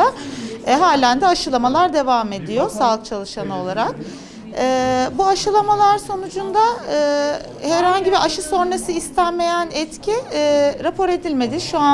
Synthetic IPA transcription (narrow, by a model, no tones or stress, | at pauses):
aɦaːlʲænd̪ɛaʃɯlˠamalˠaɾd̪e̞vame̞d̪ijo̞salˠɯk̚t͡ʃʰalˠɯʃanɯo̞lˠaɾak̚ː | buaʃɯlˠamalˠaɾso̞nud͡ʒund̪aɯː | hæɾhaɲɟibiʔaʃɯso̞nɾasɯist̪ʰænme̞jænɛt̪cʰiɾapʰo̞ɾe̞d̪ilʲme̞d̪iʃua